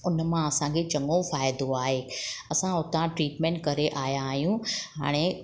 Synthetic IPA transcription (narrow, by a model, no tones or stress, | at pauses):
ʊnmãɐsãkʰet͡ɕɐ̃ŋɡõfaːɪd̪oaːɦeːɐsãʊt̪ãʈɾiːʈmẽːɳʈ̚kɐɾeʔaːjãːɦijũɦa̰ːɽ̃e